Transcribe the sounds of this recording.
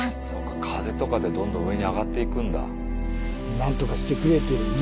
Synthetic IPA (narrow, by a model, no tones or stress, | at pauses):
so̞̰ːkḁkʰaze̞t̪o̞kad̪e̞d̪õnd̪õ̞ɯ̟e̞ɲ̟iaɡat̪ːe̞ikɯ̟̃nd̪a̰ | nãnt̪o̞kaɕi̥t̪e̞kɯ̟ɾe̞t̪eɾ